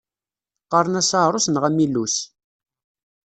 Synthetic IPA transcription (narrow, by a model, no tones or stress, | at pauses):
qɑɾˤənæsɑɾˤosnʁæmilːus